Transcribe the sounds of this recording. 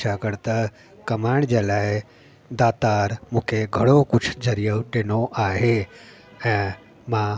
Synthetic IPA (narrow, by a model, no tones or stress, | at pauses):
t͡ʃʰakəɾt̪ə | kɐmaːɳ̃d͡ʒaːlaːe | d̪aːt̪aːɾmũːkʰeɡʱəɽokʊt͡ʃʰd͡ʒəɾijəʈenoʔaːɦe | ɛ̃ | mã